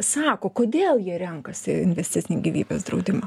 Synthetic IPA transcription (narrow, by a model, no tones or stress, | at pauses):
sɑːkoːkoːd̪ʲeːlˠjiɛɾʲɛŋkɐsʲɪɪnʲʋʲɛsʲt̪ʲɪt̪sʲɪnʲiɡʲiːʋʲiːbʲḛːsd̪ɾɒʊd̪ʲɪmɐ